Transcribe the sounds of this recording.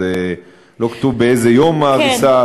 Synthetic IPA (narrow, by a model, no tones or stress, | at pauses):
e | lo̞kḁt̪uvbeezejomaʁisa